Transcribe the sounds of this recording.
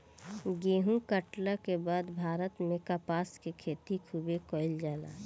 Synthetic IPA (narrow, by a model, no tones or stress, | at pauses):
ɡeːɦũkəʈlakebaːd̪bʱaːɾət̪mẽkapaːskekʰeːt̪ikʰuːbekɔːɪld͡ʒaːla̰ː